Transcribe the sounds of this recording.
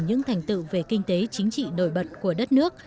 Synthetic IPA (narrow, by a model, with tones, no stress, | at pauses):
ɲɨ̰˧˥ŋt̪ʰa˨˩jŋ̟t̪ɨ̰˧˨ve˨˩kï˧ŋ̟t̪e˨˦t͡ɕï˨˦ŋ̟t͡ɕḭ˧˨no̰˧˩˨jɓə˨˩t̚ku˧˩əɗə˦˥t̚nɨ˦˥ək̚